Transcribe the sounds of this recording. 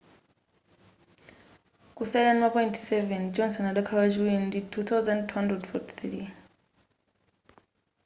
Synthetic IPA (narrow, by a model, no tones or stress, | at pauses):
kusajlanmapɔjntʰsɛvɛnd͡ʒɔnsɔnaɗɔkʰawat͡ʃiwɛnditʰuθʰawzãnd̚tʰuhandɾɛdfɔtʰi̥θɾi